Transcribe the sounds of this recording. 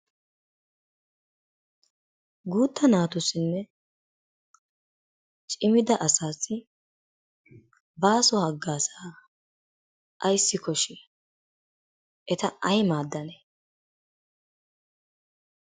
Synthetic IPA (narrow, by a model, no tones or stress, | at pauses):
ɡuːt̪ːɐnaːt̪ʊsɪnːɛ | t͡ʃʼɪmɪd̪ɐʔɐsaːsɪ | baːsɔhɐɡːaːsaː | ʔɐjsːɪkɔʃɪ | ʔɛt̪ɐɐjmaːd̪ːɐnɛ